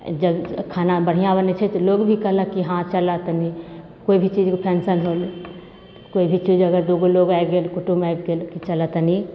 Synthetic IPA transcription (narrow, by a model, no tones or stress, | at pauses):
d͡ʒəbkʰaːnabəɽ̤ijãbənet͡ʃʰɛt̪ɔloːɡbʱikəɦləkːiɦãt͡ʃəlat̪ni | koibʱit͡ʃiːd͡ʒkpʰɛːnsənɦol | koːibʱit͡ʃiːd͡ʒəɡəɾd̪oɡoloɡakɡelkʊʈumaekɡelkit͡ʃəlat̪əni